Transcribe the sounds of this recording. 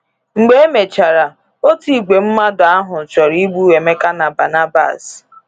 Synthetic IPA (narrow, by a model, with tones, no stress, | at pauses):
ŋ͡m̩˨ɡ͡be˦e˦me˨t͡ʃa˨ɾa˨ | o˦ti˦˨ɡ͡bʷe˨m̩˦ma˦dʊ˨a˦ɦʊ˨t͡ʃɔ˨ɾi˦ɡ͡bu˦we˨me˦ka˦na˨ba˨na˦ba̰˦˨s